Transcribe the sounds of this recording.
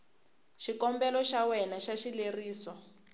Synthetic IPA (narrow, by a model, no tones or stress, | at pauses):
ʃikɔmbɛlɔʃawɛnaʃaʃileriːsɔ